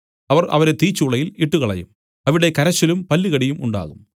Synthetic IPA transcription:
ɐʋɐrɐ̰ʋɐɾet̪iːt͡ɕːuːɭɐjiliʈːuɣɐɭɐ̰jṵm | ɐʋiɽe̞kɐɾɐɕːɐlumpɐlːiɣɐɽijumuɳɖa̰ːɣum

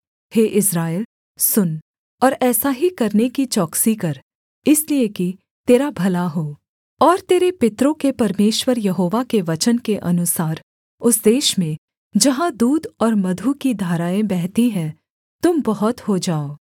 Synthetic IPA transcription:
heːʔɪsɾaːel | sʊn | ɔːɾɛːsaɦikɐɾnekit͡ʃɔːksikɐɾ | ɪslieki | t̪eːɾabʱɐlaɦoː | ɔːɾt̪eːɾepɪt̪ɾõkepɐɾmeːʃwəɾjɐɦoːʋakeʋɐt͡ʃənkeʔɐnʊsaːɾ | ʊsd̪eːʃmẽ | d͡ʒɐɦãd̪uːd̪ɔːɾmɐd̪ʱukid̪ʱaːɾaːẽbɛɦt̪iɦɛ̃ | t̪ʊmbɐɦʊt̪hod͡ʒaːoː

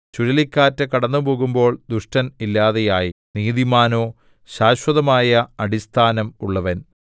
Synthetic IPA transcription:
t͡ɕuɾɐlikʲːaːtːɐkɐɽɐnːupo̞ːɣumbo̞ːɭd̪uʂʈɐnilːaːðejaːjiniːðimaːno̞ː | ɕaːɕwɐðɐmaːjɐɐɽist̪ʰaːnɐmuɭːɐʋɐn

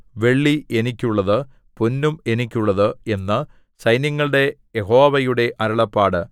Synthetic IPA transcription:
ʋe̞ɭːie̞nikʲːuɭːɐðɨ | punːume̞nik̬ʲːuɭːɐðɨe̞nːɨ | sɐjnɐŋːɐɭɨɽe̞jeɦo̞ːʋɐjuɽe̞ʔɐɾɐɭɐpːaːɽɨ

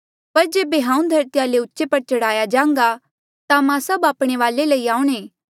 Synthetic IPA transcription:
pɐɾd͡ʒeːbeɦãːũd̪ʱɐɾt̪ijaleʊtːʃepɐɾt͡ʃɐɽaːjad͡ʒãːŋ̆ɡa | t̪amãsɐbaːpɽ̃eʋaːleləiaːuɽ̃ẽː

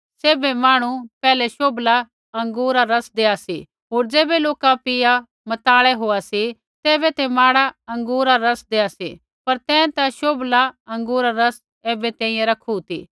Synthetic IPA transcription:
seːbɛmaːɽ̃upɛːlɛʃoːbla | ɐ̃ŋɡuːɾaɾɐsd̪eːasḭ | ɦoːɾd͡ʒeːbɛloːkãpɪja | mɐt̪aːɭɛɦoːasi | t̪eːbɛt̪ɛmaːɽaɐ̃ŋɡuːɾaɾɐsd̪eːasḭ | pɐɾt̪ɛ̃ːt̪aʃoːblaɐ̃ŋɡuːɾaɾɐs | ɛːbɛt̪ɛ̃ːĩjɛ̃ɾɐkʰut̪ḭː

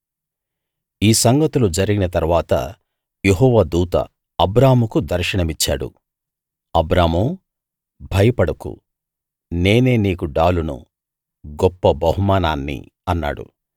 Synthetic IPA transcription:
iːsɐŋɡɐt̪ulud͡ʒɐɾiɡinɐt̪ɐɾuʋaːt̪ɐ̰ | jeɦɔːʋaːd̪uːt̪ɐ̰ː | bɾaːmukud̪ɐɾʃɐɳɐmit͡ʃːa̰ːɽṵ | ɐbɾaːmu | bʱɐjɐpɐɽɐkṵ | ne̞ːne̞ːniːkuɖaːlunṵ | ɡɔpːɐbɐɦumaːnaːnːḭ | ɐnːa̰ːɽṵ

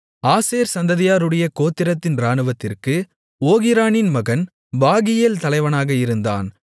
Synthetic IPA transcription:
aːseːɾsɐnd̪ɐðɪjaːɾɯɽɐjɐkoːt̪ːɪɾɐt̪ːɪnɾaːnɯʋɐt̪ːɪrkɯ | oːɣɪɾaːnɪnmɐɣɐn | baːɣɪjeːlt̪ɐlɐɪʋɐnaːɣɐɪɾɯnd̪a̰ːn

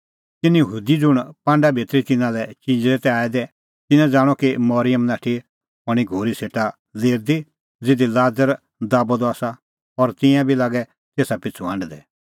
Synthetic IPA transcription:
t̪ɪnijəɦuːd̪id͡zʊɽ̃pãːɳɖabʱeːt̪ɾit̪ɪnãlɛt͡ʃid͡ʒɾɛt̪ɛaːɛd̪ɛ | t̪ɪnãd͡zaːɽ̃ɔkimɔɾɪjəmnaːʈʰi | ɦɔɽ̃iɡʱoːɾiseːʈa | leːɾd̪i | d͡zɪd̪ilaːd͡zəɾ | d̪aːbod̪aːsa | ɔɾt̪ɪ̃jãbʱilaːɡɛ | t̪eːsapɪt͡sʰuɐ̃ɳɖd̪ɛ

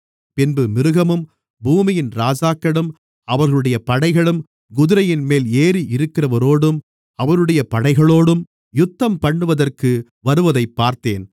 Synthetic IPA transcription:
pɪnbɯmɪɾɯɣɐmɯm | buːmɪjɪnɾaːd͡ʒaːkɐɽɯm | ɐʋɐɾɣɐɭɯɽɐjɐpɐɽɐɪɣɐɭɯm | ɡʊðɯɾɐjɪnmeːleːɾiʔɪɾɯkːɪɾɐʋɐɾoːɽɯm | ɐʋɐɾɯɽɐjɐpɐɽɐɪɣɐɭoːɽɯm | jʊt̪ːɐmpɐɳːɯʋɐðɐrkɯ | ʋɐɾɯʋɐðɐɪpːaːɾt̪eːn

